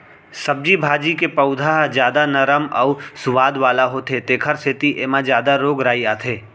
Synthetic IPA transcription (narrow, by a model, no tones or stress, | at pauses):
sɐb̚d͡ʒibʱaːd͡ʒikepɐʊd̪ʱaɦd͡ʒjaːd̪anɐɾəmɔʊsʊʋaːd̪ʋaːlaɦot̪ʰet̪eːkʰəɾset̪iʔeːmãd͡ʒjaːd̪aɾoːɡɾaːiaːt̪ʰeː